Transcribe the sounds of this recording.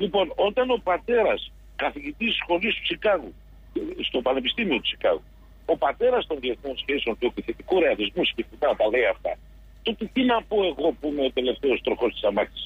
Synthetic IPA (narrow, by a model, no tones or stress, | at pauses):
lipo̞nont̪ɐnopɐt̪e̞ɾɐs | kɐθiʝit̪isxo̞list̪u̥sikaɣu | st̪o̞pɐnepist̪imiot̪u̥si̥kɐ̰ɣu | opɐt̪e̞ɾɐst̪onvieθmonskesont̪eot̪iθet̪ikoɾealizmuskifimɐt̪ɐle̞jɐft̪ɐ̰ | t̪ot̪et̪inɐpoe̞ɣo̞pumeot̪e̞le̞ft̪eost̪ɾoxo̞st̪i̥sɐmɐt̪i̥s